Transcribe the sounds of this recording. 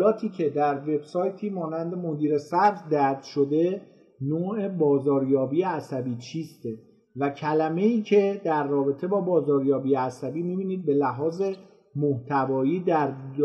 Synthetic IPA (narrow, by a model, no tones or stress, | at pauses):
lɒːt̪ʰiːcʰe̞d̪æɾve̞bsɒːjt̪ʰiːmɒːnænd̪e̞mo̞d̪iːɾe̞sæɾfd̪æɾd̪̥ʃod̪e̞ | noːe̞bɒːzɒːɾjɒːbiːjeæsæbiːt͡ʃʰiːst̪e | væcʰælæme̞iːcʰe̞d̪æɾːɒːbe̞t̪ʰe̞bɒːbɒːzɒːɾjɒːbiːjeæsæbiːmiːbiːniːd̪̚be̞læɦɒːze̞ | moht̪ʰævɒːjiːd̪æɾ